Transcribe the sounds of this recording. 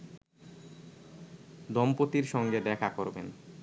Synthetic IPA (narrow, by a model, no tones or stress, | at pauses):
d̪ɔmpot̪iɾʃɔŋɡed̪ɛkʰakoɾbḛn